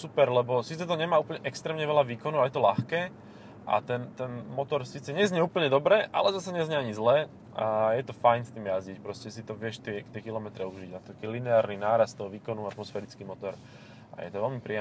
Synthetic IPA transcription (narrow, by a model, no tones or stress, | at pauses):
supɛɾlɛbɔsiːt͡sɛt̪ɔɲɛmaːuːpl̩ɲɛʔɛkst̪ɾɛːmɲɛʋɛlaʋiːkɔnuʊajɛt̪ɔlaxkɛː | ʔa̰t̪ɛnt̪ɛnmɔt̪ɔɾsiːt͡sɛɲɛzɲɛuːpl̩ɲɛd̪ɔbɾɛʔa̰lɛzasaɲɛzɲɛaɲizlɛː | ʔajɛt̪ɔfajnst̪iːmjazɟicpɾɔscɛsit̪ɔʋɪɛʃt̪ɛkt̪ɪɛkilɔmɛt̪ɾɛuʒiɟnat̪ɔklinɛaːɾninaːɾast̪ɔɦɔʋiːkɔnuat̪mɔsfɛɾit͡skiːmɔt̪ɔɾ | ʔa̰jɛ̰t̪ɔʋɛlmipɾiɛ